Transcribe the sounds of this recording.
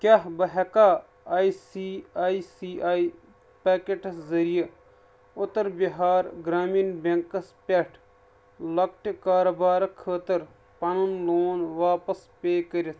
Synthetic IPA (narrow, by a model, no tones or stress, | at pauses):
kʲaɦbɐɦɐkaː | isiaːisiːaːi | peːkeʈszɐɾijə | ʊt̪əɾbiɦaːɾɡɾaːmiːnbɐ̃ŋkəspeʈʰ | lɐkʈkaːɾobaːɾkʰːəːt̪əɾ | pɐnunloːnʋaːpɐspeːkəɾit̪